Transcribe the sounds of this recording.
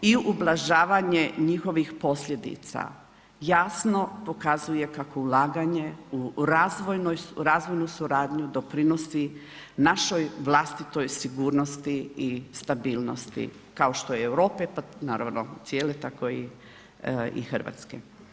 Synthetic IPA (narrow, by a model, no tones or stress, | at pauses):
iublˠaʒaːʋaɲeɲixo̞ʋixpo̞sʎʲe̞d̪ḭt̪sa̰ | jaːsno̞po̞kazuje̞kakoulˠaːɡaɲe̞uɾazʋojnojɾazʋo̞jnusuɾaːd̪ɲud̪o̞pɾino̞si | naʃojʋlˠast̪it̪o̞jsiɡuːɾnost̪iist̪abiːlˠno̞̰st̪ḭ | kaoʃt̪o̞jeewɾo̞ːpepanaːɾaʋno̰t̪sjeːle̞t̪ako̞i | ḭxr̩ʋa̰t̪skḛ